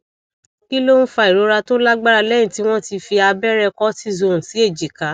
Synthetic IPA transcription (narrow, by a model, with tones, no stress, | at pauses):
ki˦lo˦ñ̩˦fa˧i˨ɾo˨˧˦ɾa˧to˦la˦ɡ͡ba˦ɾa˧lɛ˦jĩ˦˨ti˨˦w̃ɔ̃˦ti˧fi˧a˧bɛ˦ɾɛ˧kɔ˦ti˦zo˧˨ũ˨si˨˦e˦˨d͡ʒi˨ka˨˦